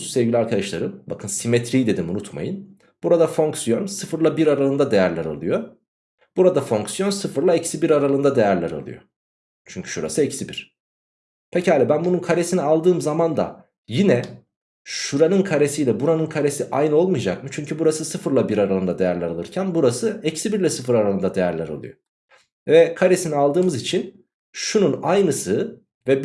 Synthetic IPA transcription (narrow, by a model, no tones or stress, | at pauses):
sɛvɟilʲiaɾkʰad̪aʃlˠa̰ɾɯmbakʰɯnsimet̪ʰɾiːd̪e̞d̪imunut̪ma̰jɯn | b̥uɾad̪afo̞ŋksijo̞nsɯfɯɾlˠabiɾaɾalˠɯnd̪ad̪e̞jæɾlʲæɾa̰lˠɯjo̞ | b̥uɾad̪afo̞ŋksijo̞nsɯfɯɾlˠaɛcsibiɾaɾalˠɯnd̪ad̪ejæɾlʲæɾa̰lˠɯ̰jo̞̰ | t͡ʃʰyɲcʰy̥ʃuɾa̰sɯɛcsibiɾ̥ | pʰecihalʲɛbænbununkʰaɾesinialˠd̪ɯːmzamand̪a̰ | jinɛ | ʃuɾanɯnkʰaɾe̞sijlʲɛbuɾanɯnkʰaɾesiʔajnɯo̞lˠmɯjd͡ʒak̚mɯt͡ʃʰyɲcʰybuɾasɯsɯfɯɾlˠabiɾaɾalˠɯnd̪ad̪e̞jæɾlʲæɾalˠɯ̰ɾcʰænbuɾasɯɛcsibiɾlʲɛsɯfɯɾaɾalˠɯnd̪ad̪e̞jæɾlʲæ̰ɾa̰lˠṵjo̰ | vɛkʰaɾesinialˠd̪ɯːmɯzit͡ʃʰin | ʃununajnɯsɯ | vɛ